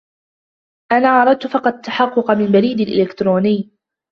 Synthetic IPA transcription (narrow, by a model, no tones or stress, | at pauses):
ʔanaːʕɑɾˤɑd̪̚t̪fɑqɑd̪̚t̪ːaħɑqːʊqmɪmbaɾiːd̪alʔɪ̰lɪkt̪ɾoːnɪjː